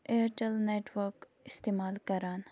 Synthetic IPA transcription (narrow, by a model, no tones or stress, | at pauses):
eʈəlneːʈʋəɾk | ɪst̪eːmaːlkɐɾaːn